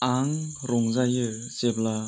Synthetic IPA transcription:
aŋɾɔŋzajɯ | sep̚la

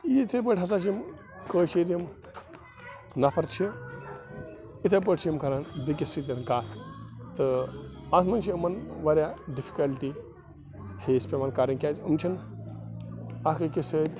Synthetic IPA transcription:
iit̪ʰep̬əʈʲɦɐs̬aːt͡ʃʰim | kəːt͡ʃiɾjim | nɐpʰɐɾt͡ʃʰi | it̪ʰep̬əːʈt͡ʃʰimkɐɾanbik̬ʲisit̪̬ʲɐnkaːt̪ʰt̪ɨat̪mɐnt͡ʃʰiumɐnʋɐɾjaɖifʰi̥kɐlʈi | heːspʲemankaːɾiŋkʲaːzumt͡ʃʰin | ɐkʰɨkisəːt̪ʲ

